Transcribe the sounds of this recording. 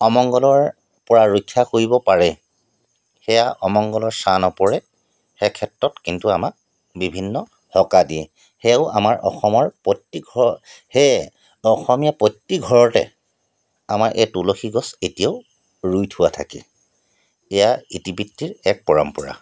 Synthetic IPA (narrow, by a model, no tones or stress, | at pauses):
ɔmɔŋɡɔlɔɹ | pɔɹaɹojkʰːakoɹibɔpaɹɛ | xɛjaʔɔmɔŋɡɔlɔɹsanɔpɔɹɛ | xɛkʰɛtɹɔtkintuamak̚ | bibʱinːɔ | hɔkadiɛ | xɛʊa̰maɹʔɔ̰xɔmɔɹpɔtːiɡʱɔhɛ | ɔxɔmijapɔtːiɡʱɔɹɔtɛ̰ | amaɹʔetuloxiɡɔsetijaʊ | ɹujtʰʊwatʰa̰kḭ | ɛjaitibitːiɹɛk̚pɔɹa̰mpɔɹa̰